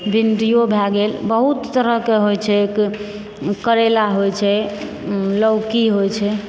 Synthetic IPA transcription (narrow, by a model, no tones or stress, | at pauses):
bʱinɖijobʱaɡelbəɦut̪ːəɾəɦkeɦojt͡ʃʰɛk | kəɾelaɦojt͡ʃʰɛ | ləwkiɦojt͡ʃʰɛ